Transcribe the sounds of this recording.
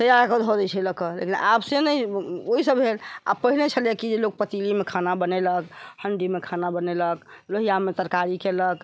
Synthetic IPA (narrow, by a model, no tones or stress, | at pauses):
t̪əjaɾkəd̪ʱɦoɾɛt͡ʃʰɛləkəlḛkinʔapsenəjoɦisəbɦela̰pəɦinet͡ʃʰəlekid͡ʒelok̚pət̪ilimekʰanabəneləkhəɳɖimekʰanabəneləkloɦijamet̪əɾkaɾikelək